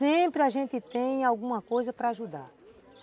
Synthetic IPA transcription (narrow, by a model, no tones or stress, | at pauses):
ẽpɾɪaʒẽnt̪ɪt̪ẽj̃awɡũmɐkojzɐpɾɐaʒud̪a̰ | s